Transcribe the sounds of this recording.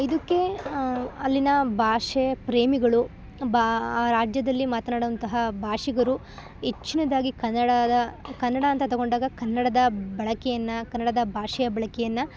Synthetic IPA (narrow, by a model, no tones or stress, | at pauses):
id̪ɐkːe̞ | ɐlːinɐbʱaːʂepɾeːmiɡɐɭu | baːɾaːd͡ʒjɐd̪ɐlːimaːt̪ɐnaːɽuʋɐnt̪ɐɦɐbʱaːʂiɡɐɾu | ɦet͡ʃːinɐd̪aːɡikɐnːɐɽɐd̪ɐkɐnːɐɽɐːnt̪ɐt̪ɔɡo̞ɳɖaːɡɐkɐnːɐɽɐd̪ɐbɐɭɐkɛjɐnːɐkɐnːɐɽɐd̪ɐbʱaːʂɐjɐbɐɭɐkɛjɐnːɐ